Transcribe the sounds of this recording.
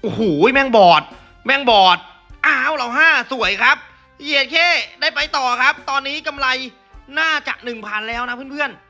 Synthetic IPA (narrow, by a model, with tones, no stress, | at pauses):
ʔo˨˧˩huː˩˦mɛ˧˩ŋbɔː˨˩t̪̚ | mɛ˧ŋbɔː˨˩t̪̚ | ʔaː˧˥˨wla˧˩wɦaː˥˩su˩˦əjkʰɾa˦˥p̚ | jeː˨˩t̪̚kʰeː˥˩daː˥˩jpa˧jt̪ɔː˨˩kʰa˦˥p̚t̪ɔː˧nːiː˦˥ka˧mla˧j | naː˥˩t͡ɕa̰˨˩k̚nɯ˨˩ŋpʰaː˧nlɛː˦˥wna˦˥pʰɯ˥˩˨pʰɯ˥˩ən